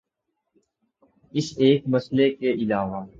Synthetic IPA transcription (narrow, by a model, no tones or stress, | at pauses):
ɪseːkmɐslekeʔɪlaːʋaː